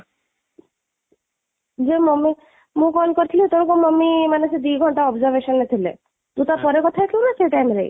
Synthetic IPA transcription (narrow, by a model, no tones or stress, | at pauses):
d͡ʒemɔmːi | mũkɔlkɔɾit̪ʰilit̪oɽ̃kumɔmːimanesed̪iɡʱɔɳʈaɔbzəɾʋeʃɔnːet̪ʰilḛ | t̪ũt̪aɾpɔɾekɔt̪ʰaekʰeunat̪ʰeʈanɾḛḭ